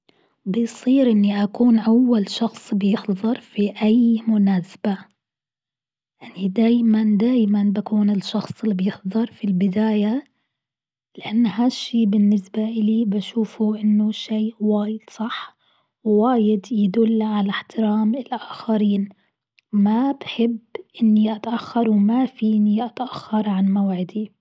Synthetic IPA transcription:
bɪjsˤiːɾʔɪnːiʔakuːnʔawːalʃɑxsˤbɪjɪħðˤɑɾˤfiʔajmʊnaːsb̥a | janid̪aːjmand̪aːjmanbakuːnɪlʃɑxsˤɪlːibjɪħðˤɑɾˤfilbɪd̪aːja | lɪʔanːɦaʃːiːbɪnːɪsbaʔɪlibaʃuːfuʔɪnːʊʃiːwaːjɪd̪̥sˤɑħ | wwaːjɪd̪jɪd̪ʊlːʕalaħt̪ɪɾaːmɪlʔaːxaɾiːn | mabħɪbːʔɪnːiʔat̪ʔaxːɑɾˤwmafiːniʔat̪ʔaxːɑɾˤʕanmawʕɪd̪i

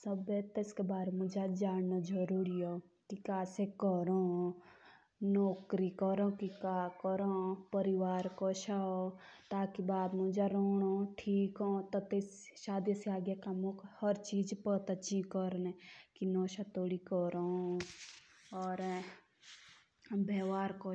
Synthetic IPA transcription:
səbet̪eskebaːɾmʊd͡ʒad͡ʒaːnːad͡ʒəɾuːɾio | kikaːsekəɾo | nɔːkɾikɔɾõkikaːkəɾõpəɾiʋaːɾkɔʃaot̪aːkibaːd̪mud͡ʒaɾoːɽ̃oʈʰiːkõt̪ɔt̪esʃaːd̪jəseaːɡjakamokhəɾt͡ʃiːd͡ʒpət̪at͡ʃĩkəɾnekinɔːʃat̪oːɽikɔɾõ | ɔːɾ | beːʋaːɾko

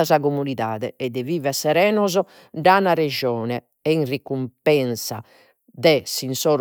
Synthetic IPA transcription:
azakomuniða̰ːðɛ̰ɛd̪ɛviːvɛsɛɾɛːnɔzɔ | danaɾɛd͡ʒɔːnɛ | ɛinrikːumpɛnsa̰ | d̪ɛsinsɔːɾ

